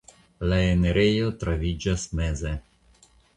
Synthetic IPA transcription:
laeneɾʔejot̪ɾavid͡ʒasmeze

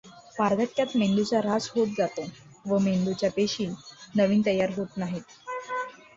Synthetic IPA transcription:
paɾd̪ʱəʈjat̪meɳɖ̪ut͡saɾad͡zɦot̪̚d͡zat̪o | ʋəmeɳɖ̪ut͡ɕjapeɕiːnəʋiːnt̪əjːaɾɦot̪naɦit̪̚

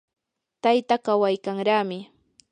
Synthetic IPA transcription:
t̪ajt̪akawajkaŋɾaːmɪ

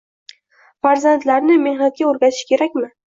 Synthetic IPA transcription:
faɾzant̪laɾnɪme̞hnat̪̚ɡʲaoɾɡʲat̪ʰɪ̥ʃkʲe̞ɾakʲmɪ

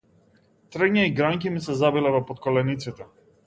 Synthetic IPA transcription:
t̪ɾɛɲaiɡɾaŋkimisɛzabilɛvɔpɔt̪kɔlɛnit̪sit̪ɛ

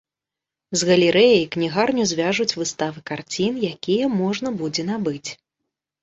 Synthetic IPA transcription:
zɣɐlʲɛɾɛjɐjknʲiɣarnʲuzʲvʲaʐut͡sʲvɨst̪avɨkart͡sʲinjakʲijɛmɔʐnɐbud͡zʲɛnabɨt͡sʲ

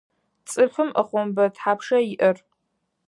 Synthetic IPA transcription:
t͡sʼɨfɨmʔəχʷɔmbɐtħaːpʰʂɐiʔər

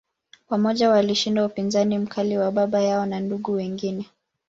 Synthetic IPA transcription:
wamɔʄawaliʃindaupinzanim̩kʰaliwaɓaɓajaɔnanduɠuwɛŋɡinɛ

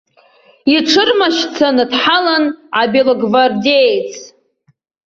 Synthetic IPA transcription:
iʈ͡ʂʰɨrmaʃt͡sʰanɨdħalanʕabeloɡvardejt͡sʰʼ

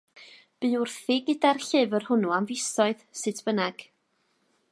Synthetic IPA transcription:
b̥ɨʊrθɪɡədarɬɪvərhʊnuamvɪsɔɨðsɨtʰb̥ənɛɡ̥

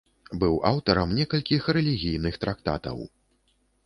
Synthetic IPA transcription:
bɨwʔawt̪ɐɾɐmnʲɛkɐlʲkʲixɾɛlʲiɣʲijnɨxt̪ɾakt̪a̰t̪ɐ̰w

